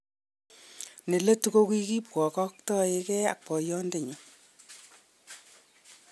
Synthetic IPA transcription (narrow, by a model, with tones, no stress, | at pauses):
ne˨le˦tu˦ko˦kwi˦ki˦p̚kɔ˨kɔ˦k̚tɔ˦e˦kɛ˦a̰˨k̚pɔ˨jɔ˦nde˦˨ɲi˨